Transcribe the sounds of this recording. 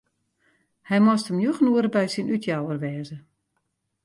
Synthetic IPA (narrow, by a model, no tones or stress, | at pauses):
hɛjmɔstəmjuxənuəɾəbɛjsinytʰjawərʋɛːzə